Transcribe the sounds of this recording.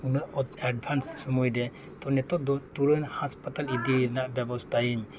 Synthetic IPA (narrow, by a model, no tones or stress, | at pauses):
unɯɔad̚bʰʱansːumujde | tɔnɛtɔt̚dɔtuɾɯnhaspatalidinaʔbebastajim